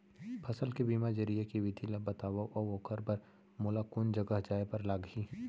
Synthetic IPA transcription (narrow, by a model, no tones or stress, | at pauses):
pʰɐsəlkibiːmad͡ʒɐɾijakiʋɪd̪ʱilabɐt̪aːʋaʔɔoːkʰəɾbɐɾ | moːlakʊnd͡ʒɐɡəɦd͡ʒaːjpɐɾlaːɡɦi